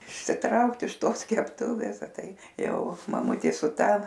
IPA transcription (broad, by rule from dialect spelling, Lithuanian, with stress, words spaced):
ɪʃʲsʲɪˈtrɐʊkt ɪʃ ˈtoːs kʲɛpˈtʊʋʲeːs ɐ ˈtɐɪ ˈjɛʊ mɐˈmʊtʲeː sʊ ˈtɐ